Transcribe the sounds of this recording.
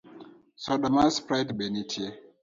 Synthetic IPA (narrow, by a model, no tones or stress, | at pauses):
sɔɗamaspɾajdbenitʰie